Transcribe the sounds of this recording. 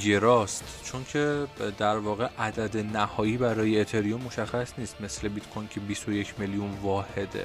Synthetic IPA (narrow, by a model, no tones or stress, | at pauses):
ɡeɾɒːst̪t͡ʃʰoncʰe̞d̪æɾvɒːɣe̞ʔæd̪æd̪e̞næhɒːjiːbæɾɒːjeːt̪ʰe̞ɾijomːo̞ʃæxːæsniːst̪me̞sle̞bit̪kʰojncʰebisojecʰmelijunvɒːhe̞d̪ḛ